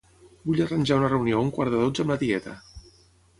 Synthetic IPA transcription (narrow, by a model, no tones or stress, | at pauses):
buʎərənʲʒaunərəuniouŋkwaɾðəðod͡zəmlət̪iɛt̪ə̰